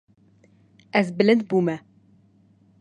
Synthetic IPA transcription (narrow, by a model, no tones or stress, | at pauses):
ɛzbɨlɨnd̪̚buːmɛ